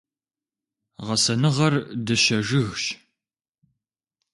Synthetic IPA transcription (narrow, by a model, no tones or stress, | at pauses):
ʁɐsɐnɨʁɐrdɐʃɐʒɨɣʃ